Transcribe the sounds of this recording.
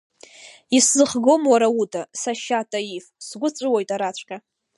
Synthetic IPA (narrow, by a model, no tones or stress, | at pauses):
iszɨχɡo̞mwaɾautʰasaʃatʼaifsɡʷʊt͡sʷʼɨwojtʼaɾat͡ɕʷʰʼkʲʼa